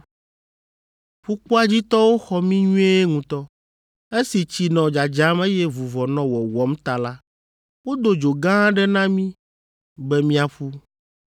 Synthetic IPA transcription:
ɸu˦k͡pu˦a˦d͡ʑi˦t̪ɔ˦wo˦xɔ˦mĩ˦ɲũ˦e˦ŋũ˨t̪ɔ˦ | e˦si˨t͡ɕi˨nɔ̃˨d͡ʒa˨d͡ʒa˦me˦jɛ˦vu˨vɔ˨nɔ̃˨wɔ˨wɔ˦mt̪a˨la˦ | wo˦d̪o˨d͡ʒo˨ɡã˦ɖɛ˦nã˦mĩ˦ | bɛ˦mĩ˦a˨ɸu˦

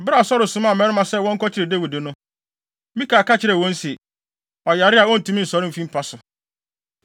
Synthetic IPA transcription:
bɾa˦˨sɔ˦ɾɪ˨sʊ̃˨˦mã˨mɛ̃˦ɾɪ˦mã˨sɛ˦˨wɔ̃˦ŋ̩˦kɔ˦t͡ɕʰɪ˦ɾɪ˨de˦wi˨dɪ˨nʊ̃˦ | mĩ˦kʰaː˨ka˦t͡ɕʰɪ˨ɾɛ˨wɔ̃˦n˦si˨e˨ | ɔ˨ja˨ɾɪ˦a˨wɔ̃˦n̩˨tʰũ˨˦mĩ˦n̩˨sɔ˨ɾɪ̃˦m˨fĩ˦m̩˦pʰa˦sʊ˨

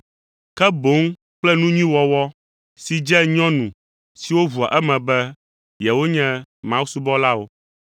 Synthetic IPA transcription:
kɛ˦bo˨˦ŋ | k͡plɛ˦nũ˦ɲĩ˦wɔ˨wɔ˦ | si˨d͡ʒɛ˦ɲɔ̃˦nũ˨ | si˨wo˦vu˨a̰˨ʔɛ˦mɛ̃˨bɛ˦ | jɛ˨wo˦ɲɛ̃˦mã˦wu˦su˦bɔ˦la˦wo˦

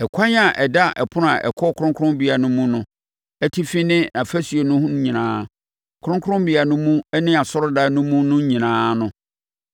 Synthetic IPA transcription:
ɛ˨kʷʰa˦ɲ˦a˨ʔɛ˨da˦ʔɛ˨pʰʊ˦nʊ̃˦˨ã˨ʔɛ̰˨kʰɔ˦kʰʊ˦ɾʊ̃˦kʰʊ˦ɾʊ̃˦mbi˨a˨nʊ̃˦mũ˦nʊ̃˦ | ɛ˦tʰi˦fi˦nɪ̃˦nã˨fæ˦sɥe˨nʊ̃˦hʊ̃˦ɲĩ˨nãː˦ | kʰʊ˦ʊ̃˦kʰʊ̃˦mbi˨a˨nʊ̃˦mũ˦ɛ˦nɪ̃˦a˨sɔ˦ɾʊ˦da˦nʊ̃˦mũ˦nʊ̃˦ɲĩ˨nãː˦nʊ̃˦

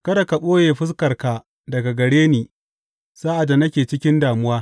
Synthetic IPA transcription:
kɐ˦da˨ka˨ɓʼoː˦jeː˨ɸɪ˦s̬kɐ˨rka˨ | dɐ˨ɡa˨ɡɐ˨ɽeː˦niː˨ | saː˦ʔa˨dːa˨nɐ˦kʲeː˨t͡ʃɪ˦kʲɪ˦ndaː˨mʊ˦waː˦

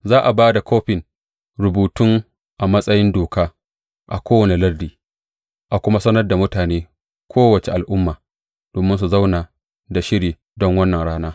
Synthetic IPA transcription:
zaː˦ʔa˨baː˦da˨koː˦ɸɪ˨ŋ | ɾʊ˨buː˨tʊ˦ŋ | ʔa˨mɐ˦sʼɐ˦jɪ˦ndoː˨kaː˦ | ʔa˨kʷoː˦wɐ˨ne˨lɐ˦rdiː˨ | ʔa˨kʷʊ˦ma˦sɐ˦nɐ˦rda˨mʊ˦taː˨neː˦ | kʰʷoː˦wɐ˨t͡ʃe˨ʔa˨lʔʊ˦mːaː˨ | d̥oː˨mɪ˦ns̬u˨za˦wnaː˨ | da˨ʃɪ˦ɽiː˨ | dɔ˦ŋwɐ˦nːɐ˨nɽaː˦naː˦

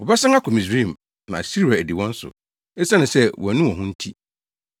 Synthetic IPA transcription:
wɔ˨bɛ˦sã˦ŋa˦kʰɔ˨mĩ˨s̬i˦˨m | nã̰˨si˦ɾi˨a˨æ˨di˨wɔ̃˦n̩˦sʊ̰˨ | ɛ˦sa˦nʊ̃˨sɛ˦wʔɔ˨æ˨nũ˦ɔ̃˨ɦʊ̃˦n̩˦tʰi˦

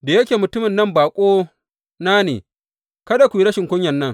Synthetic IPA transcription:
da˨jɐ˦kʲeː˨mʊ˨tʊ˦mɪ˨nːɐ˦mbaː˨kʷʼoː˦ | naː˦nḛː˨ | kɐ˦da˨kʷi˦ɾɐ˦ʃɪ˨ŋkʷʊ˦ɲjɐ˨nːɐ˦ŋ

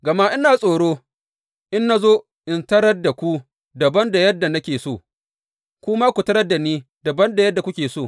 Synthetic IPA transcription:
ɡɐ˨ma˦ʔɪ˦naː˨sʼoː˨ɽoː˦ | ʔɪ˦nːa˦zoː˦ | ʔɪ˨ntɐ˦ɽɐ˦dːa˨kʷu˦ | dɐ˨bɐ˦nda˨jɐ˦dːa˨nɐ˦kʲeː˨soː˦˨ | kʷʊ˦ma˦kʷu˨tɐ˦ɾɐ˦dːa˨niː˦dɐ˨bɐ˦nda˨jɐ˦dːa˨kʷʊ˦kʲeː˨soː˦˨

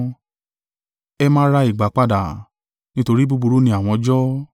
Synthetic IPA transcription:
ɛ˦mãː˦ɾa˧i˨ɡ͡ba˨˦k͡pa˦˨da˨ | nĩ˦to˧ɾi˦bu˦˧bu˧ɾu˦nĩ˧a˨w̃ɔ̃˧d͡ʒɔ˦

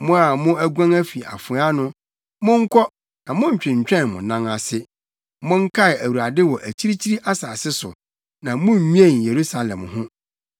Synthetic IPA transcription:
mʊ̃˦a˨mʊ̃˦æ˦ɡʷã˦ŋæ˦fi˨a̰˨fʊ˨˦a˦nʊ̃˦ | mʊ̃˦ŋ̩˦kʰɔ˦ | nã˨mʊ̃˦ɲ̩˨t͡ɕᶣɪ̃˨ɲ̩˨t͡ɕᶣɛ̃˦nmʊ̰̃˨nã˦ŋa˨sɪ˦ | mʊ̃˦ŋ̩˦kʰa˦ɪ˨æ˨wu˨ɾa˨dɪ˦wɔ˨ʔæ˨t͡ɕʰi˦ɾi˦t͡ɕʰi˦ɾi˦ʔa˦saː˨sɪ˦sʊ̰˨ | nã˨mʊ̃˦˨ɲũ˦ẽ˦˨n˨je˨ɾu˦sa˨lɛ̰̃˨mhʊ̃˦

